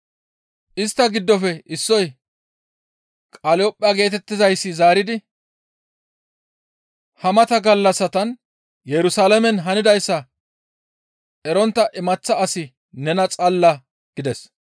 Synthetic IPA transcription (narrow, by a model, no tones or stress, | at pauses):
ʔɪst̪ːɐɡɪd̪ːɔfɛɪsːɔj | kʼɐlɔːpʼːɪɐɡe̞ːt̪ɛt̪ːɪzɐjsːɪzaːɾɪd̪ɪ | hɐmɐt̪ɐɡɐlːɐsːɐt̪ɐn | jɛɾʊsaːlɐmɛnɦɐnɪd̪ɐjsːɐ | ʔɛɾɔnt̪ːɐʔɪmɐt͡sːɐːsɪ | nɛnɐt͡sʼɐlːɐ | ɡ̥ɪd̪ɛs